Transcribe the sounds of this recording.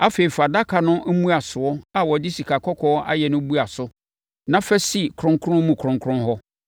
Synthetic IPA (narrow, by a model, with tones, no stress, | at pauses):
a˦fe˨i˨fa˨da˦kʰa˨nʊ̃˦ʔæ˦mũ˦a˨sʊ˨ɔ˦a˨wɔ˨dɪ˦si˨kʰa˨kʰɔ˦kʰɔː˦a̰˦jɛ˨nʊ̃˦bu˦a˨sʊ˦ | nã˦fɛ˦si˦kʰɾʊ̃˦ŋkʰɾʊ̃˦mũ˨kʰɾʊ̃˨ŋkʰɾʊ̃˦nɦɔ˦